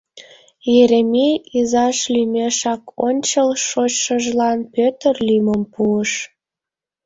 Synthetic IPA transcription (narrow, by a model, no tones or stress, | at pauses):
jeɾemʲeizɑʃlymʲeʃɑkonʲt͡ɕəlʃot͡ɕʃəʒlɑnpʲøt̪ərlyməmpuəʃ